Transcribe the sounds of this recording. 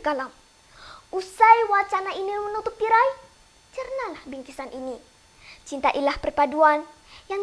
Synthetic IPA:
kalam | usajwat͡ʃanainimənut̪ʊp̚ːiɾaj | t͡ʃərnalahbiŋkisanʔini | t͡ʃint̪aʔilahpərpaduan | jaŋ

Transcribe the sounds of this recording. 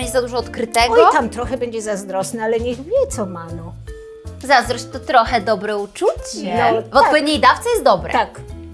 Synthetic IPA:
ɛɲd͡ʑɛzad̪uʐɔːt̪kɾɘt̪ɛɡiɔt̪amt̪ɾɔxɛbɛɲd͡ʑɛzazd̪ɾɔsnɛalɛɲɛɣvʲjɛt̪sɔmanɔ | zazd̪ɾɔɕt̪ɔt̪ɾɔxɛd̪ɔbɾɛut͡ʂut͡ɕɛnɔvɔt̪pɔvʲed̪ɲejd̪aft̪sɛjɛst̪d̪ɔbɾɛ̰t̪ak

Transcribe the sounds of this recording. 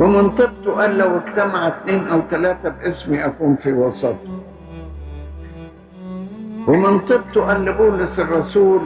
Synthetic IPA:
wɪmɪnt̪ˤɨb̚t̪ˤuʔæːlːæwɪkt̪amaʕt̪neːnʔawt̪ælæːt̪abʔɪsmiʔakuːnfiwɑsˤɑt̪ˤu̥ | wɪmɪnt̪ˤɨb̚t̪ˤʊʔæːlːɪbuːlɪsɪrˤːɑsuːl

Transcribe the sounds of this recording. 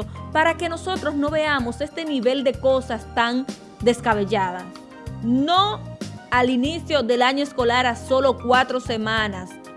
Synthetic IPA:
opaɾake̞no̞so̞t̪ɾo̞sno̞βe̞amo̞sest̪e̞niβe̞ld̪e̞ko̞sast̪aŋ | d̪e̞skaβe̞ʝað̞as | no̞alinisjo̞ðe̞laɲoesko̞laɾaso̞lo̞kwat̪ɾo̞se̞mãnas

